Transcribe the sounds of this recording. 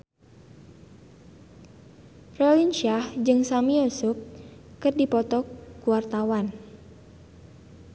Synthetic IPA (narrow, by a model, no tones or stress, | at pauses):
prɛlint͡ʃiahd͡ʒɨŋsamiɔsup̚kɨrdipɔt̪ɔkuwart̪awan